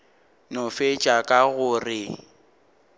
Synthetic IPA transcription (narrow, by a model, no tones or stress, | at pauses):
nʊfet͡ʃʼakʼaɣʊrɪ